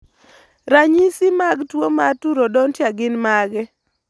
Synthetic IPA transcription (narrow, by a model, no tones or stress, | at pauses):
ɾaɲisimaɡtwomatuɾodɔntjaɡɪnmaɡɛ